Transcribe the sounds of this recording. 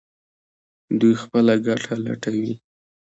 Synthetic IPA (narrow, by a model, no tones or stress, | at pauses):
d̪ujxpəlaɡaʈʰala̰ʈawi